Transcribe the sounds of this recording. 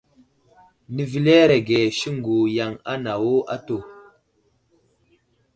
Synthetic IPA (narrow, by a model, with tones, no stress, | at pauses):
ni˨vi˨le˦ɾe˨ɡe˨ʃi˦ŋɡu˨ja˨ŋa̰˦na˨wo˦ʔa̰˦to˨